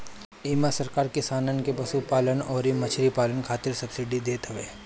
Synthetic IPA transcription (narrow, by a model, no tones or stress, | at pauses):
iːmasɐɾkaːɾkɪsaːnənkepɐsupaːlənɔːɾimɐt͡ʃʰɾipaːlənkʰaːt̪ɪɾsɐbsɪɖid̪eːt̪ɐʋeː